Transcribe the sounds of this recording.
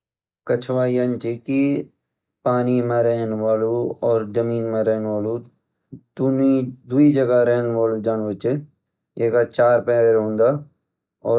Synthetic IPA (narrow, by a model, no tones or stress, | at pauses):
kət͡ʃʰʋaːijant͡ʃiki | paːnimãɾeɦnʋaːluɔːɾzəmiːnmãɾɛːnʋaːlu | d̪unid̪uid͡ʒəɡaɾeɦnʋaːlud͡ʒaːnʋət͡ʃ | eːkat͡ʃaːɾpɛ̃ːɾɾɦõːnd̪aː | ɔː